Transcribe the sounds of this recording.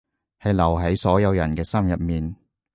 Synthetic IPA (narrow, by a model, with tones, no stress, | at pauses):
hɐ˨jlɐ˨˩wɦɐ˨˥jsɔː˨˥jɐ˨˧wjɐ˨˩nkɛː˧sɐ˥mjɐ˨t̚miː˨n